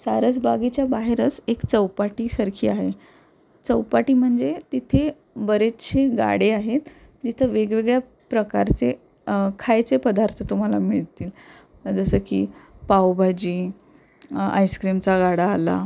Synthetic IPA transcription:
saɾət͡sbaɡit͡ɕjabaɦeɾət͡sekt͡səwpaʈiːsəɾkʰiːaɦe | t͡səwpaʈiːm̤əɳd͡zet̪it̪ʰe | bəɾet͡st͡ɕʰeɡa̰ɽeaɦet̪ | d͡ʑit̪ʰəʋeɡʋeɡɭja | pɾəkaɾt͡se | kʰajt͡sepəd̪aɾt̪ʰət̪um̤alamiɭit̪iːl | əd͡zəsəkipawbʱad͡ʑiː | a̰jskɾimt͡saɡaɽaːla̰

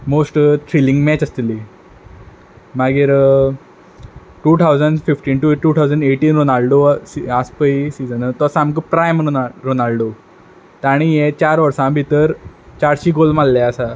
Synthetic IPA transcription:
mosʈʈ̪ʰɾilĩŋɡmɛt͡ɕəst̪ili | maɡiːɾ | ʈuːt̪ʰawd͡zəɳɖfifʈiːnʈuʈuːt̪ʰawd͡zəɳɖeʈiːnɾonalɖosiaspəisid͡zənət̪oasaːmkəpɾajmɾonalɖo | t̪aɽ̃ijẽt͡ɕaɾʋəɾsãbʱit̪əɾt͡ɕaɽɕiːɡolmalːɛəsa

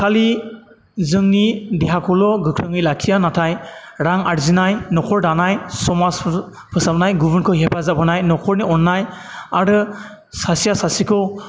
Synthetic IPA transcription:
kʰali | zɯŋnideɦakʰɔlɔɡɯkʰɾɯŋɯjlakʰijanatʰajɾaŋaɾzinajnɔkʰɔɹdanajsɔmas | pʰɯsap̚najɡubɯnkʰɯɦepʰazapʰɯnajnɔkʰɔɹniɔnːaj | aɾɯ | sasijasasikʰɯw

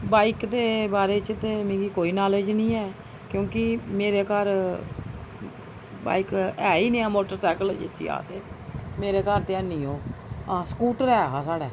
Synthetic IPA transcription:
baːikd̪eːbaːɾeːt͡ʃt̪eːmẽːɡiːkoːiːnaːled͡ʒnĩːɛː | kjõːkɪmeːɾeːkəɾ | ba̰ːikɛːiːnẽːãːmoːʈəɾsɛːkəld͡ʒḛsḭːa̰ːt̪eːmeːɾeːkəɾt̪eənːĩːoːãːskuːʈɾɛːɦaːsaːɽɛ̰ː

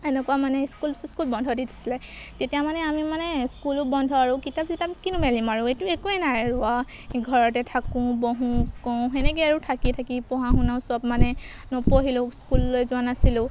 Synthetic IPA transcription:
ɛnɛkuamanɛskulskulbɔndʱɔditʰi̥silɛtetijamanɛamimanɛskulʊbɔndʱɔaɹukitapzitapkinũmɛlimaɹʊ̃etuekuɛnajɹua | ɡʱɔɹɔt̬ɛtʰakũbɔɦũkɔ̃xɛnɛkeaɹutʰakitʰakipɔɦãɦũnawsɔbmanɛ | nɔpoɦilʊ̃skulːojzʊanasilʊ̃

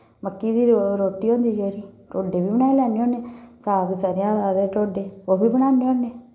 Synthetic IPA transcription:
məkːiːd̪iːɾɾoːʈiːɦõːnd̪iːd͡ʒoːɾiː | ʈoːɖeːbiːbəɽ̃naːelɛːneːõːneːsaːɡsaːɾɪjãːsaːɾeːʈoːɖeːoːbiːbəɽaːneːoːneː

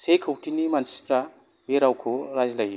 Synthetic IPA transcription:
sejkʰowʈinimansi̥pɾa | beɾawkʰoɾazlaj

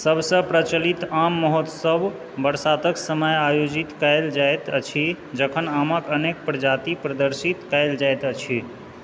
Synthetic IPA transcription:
səbsə̃pɾət͡ʃəlit̪amːɔɦot̪səb | bəɾsat̪əksəməjajod͡ʒit̪kəjld͡ʒajt̪ət͡ʃʰi | d͡ʒəkʰənaməkənek̚pɾəd͡ʒat̪ipɾəd̪əɾsit̪kəjld͡ʒajt̪ət͡ʃʰi

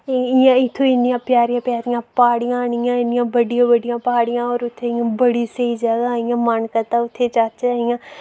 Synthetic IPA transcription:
ɪjãɪt̪ʰːoɪnɪjãːpjaːɾijãːpjaːɾɪjãːpaːɽɪjãaːɳɪjãːɪnɪjãːbəɖɪjãːbəɖɪjãːpəɦaːɽɪjãːɔːɾʊt̪ʰːeɪjãbəɽiseid͡ʒəɡaɪjãːmənkət̪aːʊt̪ʰːet͡ʃaːt͡ʃaːɪjãː

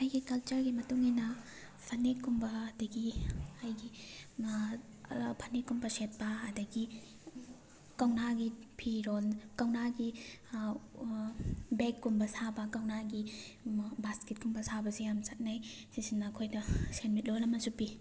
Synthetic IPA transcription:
ɐjɡikɐlt͡ʃɐɾɡimɐtuŋinɐ | pʰɐnekumbɐːdɐɡiajɡi | pʰɐnekːumbɐset̚pɐːdɐɡi | kawnaɡipʰiɾonkawnaɡi | bekːumbɐsabɐkawnaɡi | basket̚kumbɐsabɐsijamsɐt̚naj | sisinːɐːkʰojdɐsenmit̚lolɐmɐsupi

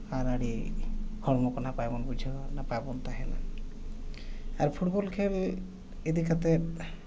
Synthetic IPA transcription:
aɾaɽiɡ̥ʱɔɾmɔkɔnapajbɔnbud͡ʒʱinapajbɔnt̪aɦɛna̰ | aɾpʰuʈbɔlkʰel | ed̪ikat̪ɛ

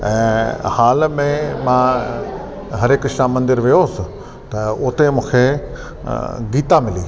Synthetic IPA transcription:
ɛ̰̃ːhaːlmẽmã | ɦɐɾekʃamə̃nd̪ɪɾʋijoːsɪ̆ | t̪ɐʊt̪emũːkʰe | ɡiːt̪amɪlḭː

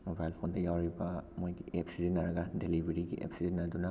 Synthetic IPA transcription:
mobajlpʰondajawɾibamojɡiʔepsizinːaɾaɡadelibeɾiɡḭʔḛpsizinːaduna

